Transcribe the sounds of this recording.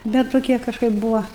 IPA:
bʲɛt toːˈkʲiɛ kɐʃˈkɐɪp ˈbuːʋɐ

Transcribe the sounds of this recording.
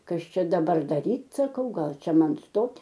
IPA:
ˈkɐs ˈt͡ʃʲɛ dɐˈbɐr dɐˈrʲiːtʲ sɐˈkɐʊ ˈɡɐlˠ ˈt͡ʃʲɛ ˈmɐn ˈstoːtʲ

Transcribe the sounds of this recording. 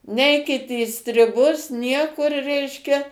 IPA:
ˈnʲɛɪkʲɪt iː sʲtʲrʲɪˈbʊs ˈnʲiɛkʊr ˈrʲɛɪʃʲkʲɛ

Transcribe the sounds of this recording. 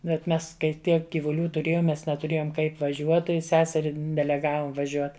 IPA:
bʲɛt ˈmʲɛs kɐɪ ˈtʲiɛk ɡʲiːʋʊˈlʲuː tʊˈrʲeːjoːm ˈmʲɛs nʲɛtʊˈrʲeːjoːm ˈkɐɪp ʋɐˈʒʲuɔt tɐɪ ˈsʲæːsʲɛrʲɪ dʲɛlʲɛˈɡɑːʋoːm ʋɐˈʒʲuɔt

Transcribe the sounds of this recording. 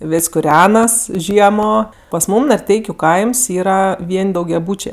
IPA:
ˈʋʲɪsʲ kʊˈrʲæːnɐs ˈʒʲiɛmoː pɐs ˈmuːm nɐrʲˈtʲɛɪkʲʊ ˈkɐɪms iːˈrɐ ˈʋʲiɛnʲ dɐʊɡʲɛˈbuːt͡ʃʲeː

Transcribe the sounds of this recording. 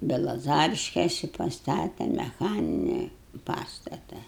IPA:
bʲɛlˠɐˈzɑːrʲɪʃʲkʲeːsʲɪ pɐˈstɑːtʲɛ mʲɛˈxɑːnʲɪnʲeːj ˈpɑːstɐtɐ

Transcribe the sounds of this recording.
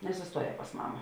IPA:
nʲɛsʊsˈtuɔˌjɛː pɐs ˈmɑːmɐ

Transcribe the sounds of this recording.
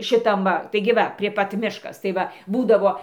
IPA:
ʃʲɪˈtɐm ʋɐ tɐɪɡʲɪ ˈʋɐ pʲrʲiɛ ˈpɐt ˈmʲɪʃkɐs tɐɪ ˈʋɐ ˈbuːdɐʋoː

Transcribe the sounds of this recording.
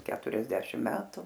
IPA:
ˈkʲæːtʊrʲɛzʲdʲɛʃʲɪm ˈmʲæːtʊ

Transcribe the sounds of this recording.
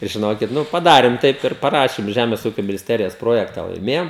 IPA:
ɪr ʒʲɪˈnoːkʲɪt ˈnʊ ɪ pɐdɐrʲɪm ˈtɐɪp ɪr pɐˈrɑːʃʲɪm ˈʒʲæːmʲeːs ˈuːkʲoː mʲɪnʲɪsʲˈtʲæːrʲɪjoːs ˈproːjɛktɐ lˠɐɪˈmʲeːjoːm

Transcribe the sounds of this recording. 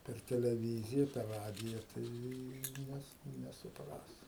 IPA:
pʲɛr tʲɛlʲɛˈʋʲiːzʲɪjɛ pʲɛr ˈrɑːdʲɪjɛ ˈtɐɪ ˈnʲɛs nʲɛsʊˈprɐs

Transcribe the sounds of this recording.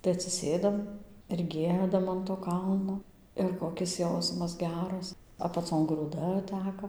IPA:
tɐɪ ɐtʲsʲɪˈsʲeːdɐm ɪr ˈɡʲiɛdɐm ɐn toː ˈkɐlˠnoː ɪr koːˈkʲɪs ˈjɛʊsmɐs ˈɡʲæːrɐs ɐpɐˈt͡soːn ɡruːˈdɐ ˈtʲæːkɐ

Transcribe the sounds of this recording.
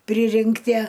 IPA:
ˈpʲrʲɪrʲɪŋktʲiɛ

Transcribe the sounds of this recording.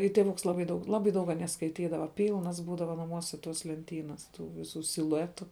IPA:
ɪ tʲeːˈʋʊks ˈlˠɑːbɐɪ dɐʊk ˈlˠɑːbɐɪ dɐʊk ɐˈnʲiɛ skɐɪˈtʲiːdɐʋɐ ˈpʲiːlˠnɐs ˈbuːdɐʋɐ nɐˈmuɔsʲɛ toːs lʲɛnʲˈtʲiːnɐs ˈtuː ʋʲɪˈsuː sʲɪlˠʊˈæːtʊ

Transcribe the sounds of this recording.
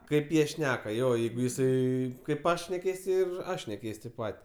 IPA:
ˈkɐɪp ˈjiɛ ˈʃʲnʲæːkɐ ˈjoː ˈjɛɪɡʊ jɪˈsɐɪ kɐɪp ˈɐʃ ʃʲnʲɛˈkʲeːs ɪr ˈɐʃ nʲɛˈkʲɛɪsʲ tʲeːp ˈpɐtʲ

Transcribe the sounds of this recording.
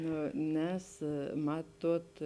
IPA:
ˈnʊ ˈnʲɛs ˈmɑːˌtuɔt

